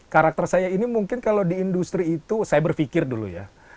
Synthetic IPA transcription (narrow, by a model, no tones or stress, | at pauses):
kaɾak̚t̪ərsajainimuŋkɪnkaladiːndust̪ɾiːt̪usajabərfikɪrdulṵja̰